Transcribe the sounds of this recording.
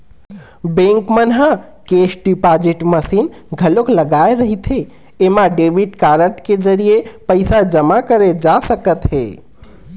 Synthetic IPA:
bẽŋkmənɦa | kesɖipad͡ʒiʈməsin | ɡʱəlokləɡaeɾəɦit̪ɦe | emãɖeʋiʈkaɾəʈked͡ʒəɾijepəɪsad͡ʒəmakəɾed͡ʒasəkət̪ɦḛ

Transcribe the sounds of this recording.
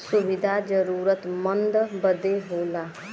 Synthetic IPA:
sʊʋɪd̪ʱad͡ʒəɾuːɾət̪mə̃nd̪bəd̪eɦoːlaː

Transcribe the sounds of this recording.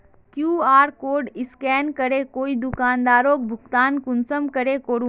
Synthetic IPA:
kjuːaːɾkoːɾɖɪskɛːnkəɾekoːid̪ʊkaːnd̪aːɾoːk̚bʱʊkt̪aːnkʊnsəmkəɾekoɽu

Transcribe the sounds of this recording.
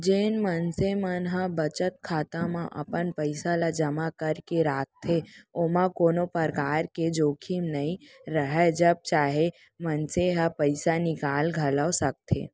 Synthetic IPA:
d͡ʒeːnmənsemənɦəbət͡ʃət̪̚kʰaːt̪ãmãʔə̰pənpəɪsalad͡ʒəmakəɾkeɾaːk̚t̪ʰeoːmãkoːnopəɾkaːɾked͡ʒoːkʰimnəĩɾəɦɛd͡ʒəb̚t͡ʃaːɦe | mənseɦapəɪsanɪkaːlɡʱələosək̚t̪ʰḛː

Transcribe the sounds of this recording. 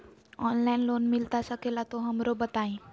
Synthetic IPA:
ɔnlainlonmilt̪asakelat̪oɦəmɾobət̪aɦĩ

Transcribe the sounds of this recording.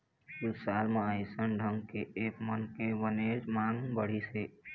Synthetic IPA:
usalmeəjsənɖʱəŋɡkeekmənkebəned͡ʒmaŋbəɽ̤ise

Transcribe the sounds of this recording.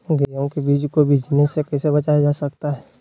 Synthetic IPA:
ɡijõkebiːd͡ʒkobʱiːd͡ʒnesekɛːsebɐt͡ʃajad͡ʒaːsɐk̚t̪aɦɛː

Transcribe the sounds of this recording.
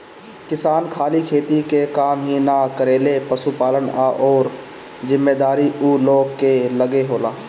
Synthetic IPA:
kɪsaːnkʰaːlikʰeːt̪ikekaːmɦinakəɾeːlepəsupaːlənaʔɔːɾ | zɪmːeːd̪aːɾiuːloːɡkeləɡeɦoːlaː

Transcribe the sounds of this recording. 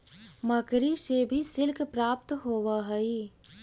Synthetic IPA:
mɐkɾiʃebʱisɪlkpɾaːp̚t̪ɦoːʋaɦɐi

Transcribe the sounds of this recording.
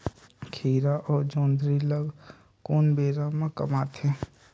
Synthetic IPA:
kʰiːɾaʔɔːɾd͡ʒõːnd̪ɾiləɡ | koːnbeːɾamãkɐ̰maːt̪ɛː

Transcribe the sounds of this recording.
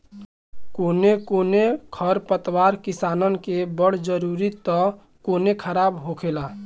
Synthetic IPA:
koːnekonekʰəɾpət̪waɾkisaːnənkebəɽ̤d͡ʒəɾuɾit̪ɔ | koːnekʰəɾabɦokʰela

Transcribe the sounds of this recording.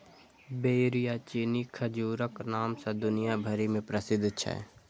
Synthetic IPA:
beːɾijat͡ʃiːnikʰəd͡ʒuːɾəknaːmsad̪ʊnijabʱəɾimẽpɾəsɪd̪ʱt͡ʃʰɛ̰

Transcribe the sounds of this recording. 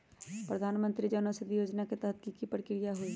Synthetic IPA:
pɾəd̪ʱaːnmə̃nt̪ɾid͡ʒənosəd̪ʱijoːd͡ʒnaket̪ɐɦət̪̚kikipɾəkɪɾijaɦoi

